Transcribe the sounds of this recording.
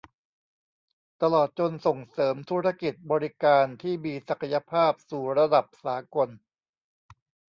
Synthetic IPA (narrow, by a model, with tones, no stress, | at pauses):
t̪a˧lɔː˨˩t̪̚t͡ɕo˧nso˨˩ŋsɤː˩˦mt̪ʰuː˦˥ɾa˦˥ki˨˩t̪̚bɔː˧ɾi˦˥kaː˧nt̪ʰiː˥˩miː˧sa˨˩kʰa˧ja˧pʰaː˥˩p̚suː˨˩ɾa˧da˨˩p̚saː˩˦ko˧n